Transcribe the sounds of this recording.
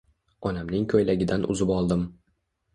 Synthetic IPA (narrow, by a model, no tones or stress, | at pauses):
ɒnamnɪŋkʰojlaɡʲɪd̪anʔʊ̰zɪpɒlˠd̪ɪm